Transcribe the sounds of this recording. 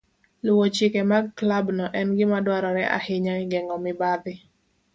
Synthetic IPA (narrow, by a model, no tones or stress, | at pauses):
lʊwot͡ʃɪkɛmaɡklabnɔʔɛnɡɪmadwaɾɔɾɛʔa̰hɪɲaɪɡɛŋɡɔmɪbad̪ɪ